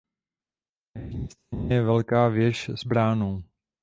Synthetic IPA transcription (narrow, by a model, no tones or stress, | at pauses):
jɛɲist̪aɲɛjɛvɛlkaːvjɛʃz̥bɾaːnow